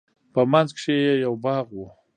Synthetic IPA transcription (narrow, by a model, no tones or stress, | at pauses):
pəmanzkʂejejawbɑɣwu